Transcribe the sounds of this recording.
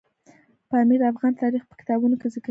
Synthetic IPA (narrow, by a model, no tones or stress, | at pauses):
pɑmed̪əafɣɑnt̪ɑɾixpə̥kɪ̥t̪ɑbunokezək